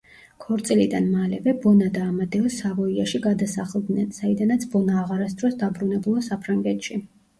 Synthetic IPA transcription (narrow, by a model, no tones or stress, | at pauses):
kʰɔɾt̪sʼilid̪anmalɛvɛbɔnad̪aːmad̪ɛɔsavɔiaʃiɡad̪asaχlˠd̪nɛnsaid̪anat̪sʰbɔnaːʁaɾas̬d̪ɾɔsd̪abɾunɛbulˠasapʰɾaŋɡɛt̪ʃi